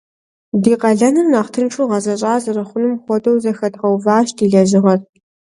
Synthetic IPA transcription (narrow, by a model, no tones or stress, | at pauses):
diːqɐɮɐnɨrnaːχtʰɨnʈ͡ʂʰʼuʁɐzɐɕʼaːzɐrɐχʷʊnɨmχʷɔtʼɐwzɐxɐdʁɐwvaːɕtʰiːɮɐʑɪʁɐr